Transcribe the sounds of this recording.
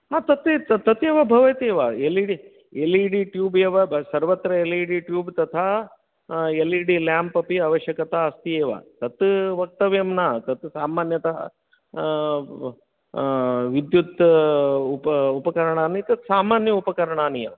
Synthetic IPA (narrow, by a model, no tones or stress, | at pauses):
ɦaːt̪ɐt̪t̪ɐt̪ɐt̪eːʋɐbʱɐʋɐt̪eːʋɐeliɽi | eliːɽiʈjuːbeːʋɐsɐɾʋɐt̪ɾɐeliːɽiʈjuːbt̪ɐt̪ʰaː | eliɽiljaːmpɐpiɐʋɐʃjɐkɐt̪aɐst̪ijeːʋɐ̰t̪ɐt̪ʋɐk̚t̪ɐʋjɐmnat̪ɐt̪saːmaːnjɐt̪ɐɐ̰ | ʋid̪jut̪ | upupɐkɐɾɐɳaːnit̪ɐt̪saːmaːnjɐupɐkɐɾɐɳaːnijɐ̰